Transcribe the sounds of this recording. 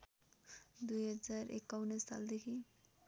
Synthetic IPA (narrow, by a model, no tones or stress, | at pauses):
d̪ujɦʌd͡ʒaɾʔḛkːawnest̪ʰa̰ld̪ekʰi